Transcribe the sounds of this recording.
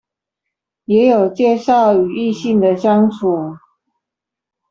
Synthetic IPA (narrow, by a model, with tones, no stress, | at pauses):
jɛ˨˥jo˨˩ʊt͡ɕjɛ˥˧ʂɑ˥˩ʊy˨˩i˥˧ɕi˥˩ŋd̪ə˨ɕjɑ˥ŋt͡sʰu˨˩˦